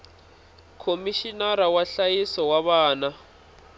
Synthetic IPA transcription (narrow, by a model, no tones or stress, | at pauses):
kʰomiʃinaɾawaɬajisɔwaβaːna